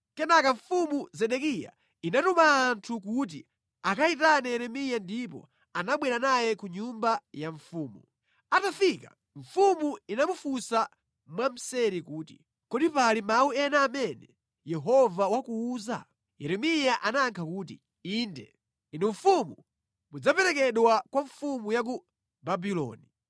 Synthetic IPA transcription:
kɛnakaɱfumuzɛɗɛkija̰ | inatumaːntʰuk̬ut̬ḭ | akaitanɛjɛɾɛmijandipɔ̰ | anaɓwɛɾanajɛkuɲumbajaɱfuːmu | atafika̰ | ɱfumuinamufusa | mwam̩sɛɾikuːtḭ | kɔɗipalimauɛnaːmɛnɛ | jɛɦɔvawakuuːza̰ | jɛɾɛmijaʔanaːŋkʰakuːt̬ḭ | indɛ | inuɱfumu | mud͡zapɛɾɛkɛɗwakwaɱfumujak̬u | babilɔ̰ːni

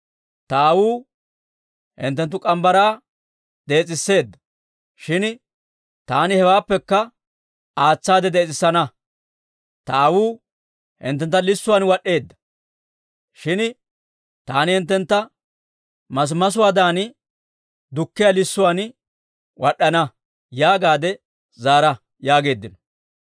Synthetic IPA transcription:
t̪ɐːwuː | hɪ̰nt̪ːɛnt̪̬ːʊkʼɐmbɐɾaː | d̪e̞ːt͡sʼɪsːe̞ːd̪ːɐ̥ | ʃɪn | t̪aːnɪhɛwaːpːɛkːɐ | aːt͡sːaːd̪ɛd̪eːt͡sʼɪsːɐnɐ | t̪ɐːwuː | hɪ̰nt̪ːɛnt̪ːɐlɪsːʊwaːnwɐɗːe̞ːd̪ːɐ̥ | ʃɪn | t̪aːnɪhɪnt̪ːɛnt̪ːɐ | mɐs̬mɐs̬ʊwaːd̪aːnɪ | d̪ʊkːɪjɐlɪsːʊwaːn | wɐɗːɐnɐ | jaːɡaːd̪ɛ | zaːɾɐ | jaːɡe̞ːd̪ːɪnɔ

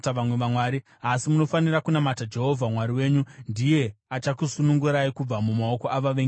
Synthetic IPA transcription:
taʋamwe̞ʋamwaːɾi | asimuno̞fanirakunamatad͡ʒe̞ɦo̞vʱamwaɾiwe̞ːɲundije̞at͡ʃakusunuŋɡuɾaikub͡vamumao̞ko̞ʔaʋaʋeŋ

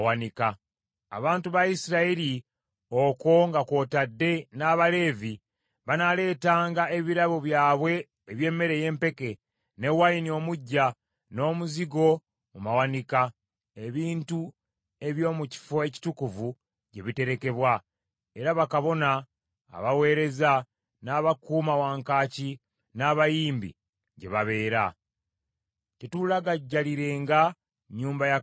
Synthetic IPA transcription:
wanika | a̰βaːntuβaisiɾaiɾi | oko̞ŋɡako̞ːtadːe̞naːβale̞ːvi | βanale̞ːtaːŋɡae̞βiɾaβo̞βjaːβwe̞ː | βje̞ːmːe̞ɾe̞je̞ːmpe̞ke̞ | ne̞wajinio̞muɟːa | no̞ːmuziɡo̞ | mumawanika | e̞βiːntu | e̞βjo̞ːmuci̥fo̞e̞ci̥tukuvu | ɟe̞βite̞ɾeke̞βwa | e̞ɾaβakaβo̞na̰ː | βawe̞ːɾe̞za | naːβakuːmawaːŋkaːci | naːβajiːmbḭ | ɟe̞̰βaβe̞ːɾa̰ | tetulaɡaɟːaliɾe̞ːŋɡa | ɲuːmbaja

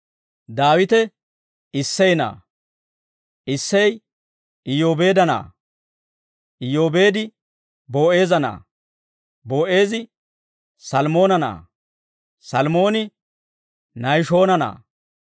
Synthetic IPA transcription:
d̪aːwɪt̪ɛ | ɪsːɛjna̰ː | ʔɪsːɛj | ɪjo̞ːbe̞ːd̪ɐna̰ː | ʔɪjo̞ːbe̞ːd̪ɪ | bo̞ːe̞ːzɐna̰ː | boːʔe̞ːzɪ | sɐlmo̞ːnɐna̰ː | sɐlmo̞ːnɪ | nɐjʃo̞ːnɐna̰ː

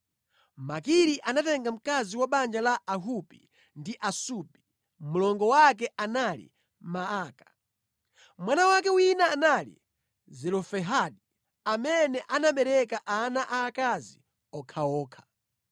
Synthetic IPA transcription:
makiɾiʔanatɛŋɡam̩kaziwaɓand͡ʒalaʔaɦupḭ | ndiʔasupi̥ | mulɔŋɡɔwak̬ɛʔanalḭ | maaːkḁ | mwanawak̬ɛwinaːnalḭ | zɛlɔfɛɦaɗi | amɛnɛʔanaɓɛɾɛkaʔanaʔaːkazi | ɔkʰaɔːkʰḁ

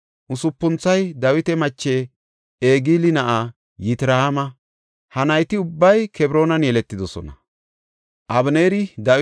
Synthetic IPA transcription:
ʔʊsʊpːʊnt͡sːɐjd̪ɐwɪt̪ɛmɐt͡ʃːeː | eːɡiːlɪnɐʔa | jɪt̪ɪɾɐhamɐ | hɐnɐjt̪ɪʊbːɐjkʰɛbɾo̞ːnɐnjɛlɛt̪ːɪd̪ɔsɔ̰nɐ̰ | ʔɐbneːɾɪd̪ɐ

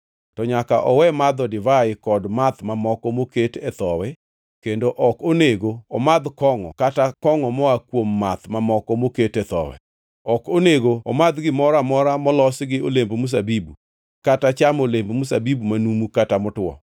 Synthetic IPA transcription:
tɔɲakaʔɔwɛmad̪ɔdɪvaɪkɔdmat̪mamɔkɔmoketɛt̪ɔwɛ | kendoʔɔkoneɡoɔmad̪kɔŋɔ̰katakɔŋɔmɔakwomːat̪mamɔkɔmoketɛt̪ɔ̰wɛ̰ | ɔkoneɡoɔ̰mad̪ɡɪmɔɾamɔɾamɔlɔsɡɪolembomus̬abibu | katat͡ʃamolembmusabibumanumukatamʊtwɔ̰

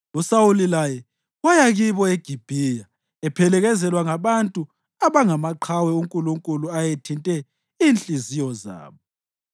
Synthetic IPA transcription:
usawulilajɛ | wajaɣiβɔeɡ̥ʱib̥ʱiːja | ɛpʰɛlɛɣɛzɛlwaŋaβantʼu | aβaŋamaǃʰawɛuŋkʼuluŋkʼuluajetʰintʼɛ | iːnt͡ɬʼizijɔza̰ːβɔ

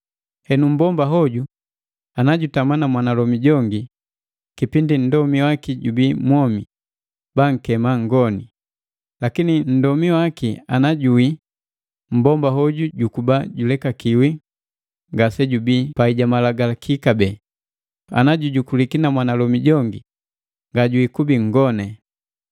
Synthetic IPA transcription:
hɛnum̩bɔmbaɦɔɟu | anaɟutamanamwanalɔmiɟɔŋɡi | kipindin̩dɔmiwakiɟubiːmwɔmi | b̥aŋ̩kɛmaŋɡɔni | lakinin̩dɔmiwakia̰naɟui | m̩bɔmbaɦɔɟuɟukubaɟulɛkakiwi | ŋɡasɛɟubipaiɟamalaɡalakʰikabɛː | a̰naɟuɟukulikinamwanalɔmiɟɔŋɡi | ŋɡaɟuikubiŋ̩ɡɔnɛ

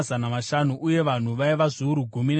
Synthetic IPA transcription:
zanamaʃanuʔuje̞ʋan̤uʋaiʋazuːɾuɡʱumin

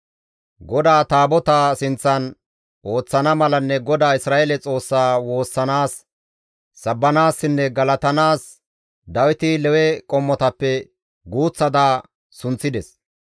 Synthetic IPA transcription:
ɡɔd̪aːt̪aːbɔt̪asɪnt͡sːɐn | ʔo̞ːt͡sːɐnɐmɐlɐnːɛɡɔd̪aːɪsɾaːʔelɛt͡sʼo̞ːsːaːwo̞ːsːɐnaːsː | ɐbːɐnaːsːɪnːɛɡɐlɐt̪ɐnaːs | d̪ɐwɪt̪ɪlɛwɛkʼɔmːɔt̪ɐpːɛ | ɡuːt͡sːɐd̪aː | sʊnt͡sːɪd̪ɛs

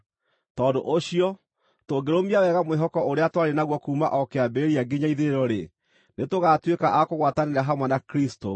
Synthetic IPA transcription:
tɔndoʔoɕiɔ | toɡeɾomiawɛɣamweɦɔkɔoɾeatwaɾenaɣwɔkuːmaʔɔkeabeeɾiaɡeɲaiðeɾɔɾe | netoɣatwekaʔakoɣwataneɾaɦamwɛnakɾisto

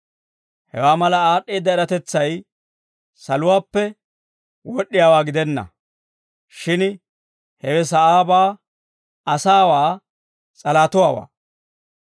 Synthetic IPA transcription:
hɛ̰waːmɐlɐaːɗːeːd̪ːɐɛɾɐt̪ɛt͡sːɐj | sɐlʊwaːpːɛ | wɔɗːɪjaːwaːɡɪd̪ɛnːɐ̰ | ʃɪn | hɛwɛs̬ɐʔaːbaː | ɐsaːwaː | t͡sʼɐlaːt̪ʊwaːwa̰ː

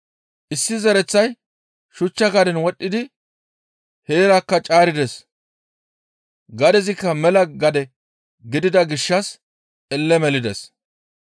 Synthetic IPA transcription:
ʔɪsːɪzɛɾɛt͡sːɐj | ʃʊt͡ʃːɐɡɐd̪ɛnwɔɗʼːɪd̪ɪ | heːɾakːɐt͡ʃʼaːɾɪd̪ɛs | ɡɐd̪ɛzɪkːɐmɛlɐɡɐd̪ɛ | ɡɪd̪ɪd̪ɐɡɪʃːɐs | ɛlːɛmɛlɪd̪ɛs

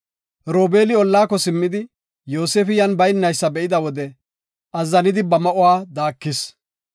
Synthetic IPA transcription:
ɾo̞ːbe̞ːlɪɔlːaːkːɔsɪmːɪd̪ɪ | jo̞ːseːfɪjɐnbɐjnːɐjsːɐbɛʔɪd̪ɐwɔd̪ɛ | ʔɐzːɐnɪd̪ɪbɐmɐʔʊwaːd̪aːkːɪs

